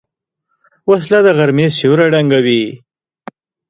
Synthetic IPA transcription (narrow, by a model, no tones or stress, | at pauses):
was̬lad̪əɣaɾmeʃoɾaɖaŋɡawi